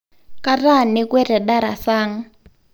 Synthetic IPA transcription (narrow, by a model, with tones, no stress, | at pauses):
ka˦ra˦˨ni˦kwɛ˦rɛ˨ɗa˦ɾa̰˨saː˦ŋ̩˦